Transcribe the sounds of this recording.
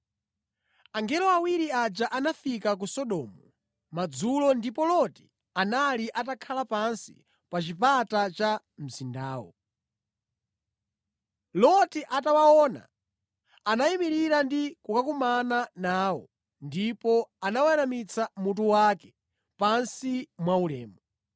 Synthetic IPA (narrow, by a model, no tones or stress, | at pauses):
aŋɡɛlɔawiɾiad͡ʒaʔanafikak̬usɔɗɔːmɔ | mad͡zulɔndipɔlɔti̥ | analiʔatakʰalapansi̥̰ | pat͡ʃipatat͡ʃa | m̩zindaːwɔ̰ | lɔtiʔatawaɔːna̰ | anaimiɾiɾandikukakumananaːwɔ̰ | ndipɔanawaɛɾamit͡sʰamut̬uwakɛ̥ | pansimwaulɛ̰ːmɔ